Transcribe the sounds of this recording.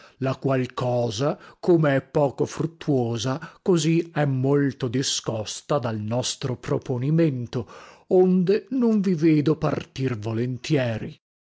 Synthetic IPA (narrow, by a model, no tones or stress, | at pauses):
lakwalkʰɔːzakomeɛpːɔːkofɾut̪ːwoːzakoziɛmːolt̪od̪iskɔst̪ad̪alnɔst̪ɾopɾoponiment̪oond̪enoɱviveːd̪opa̰rt̪irvolent̪jɛːɾi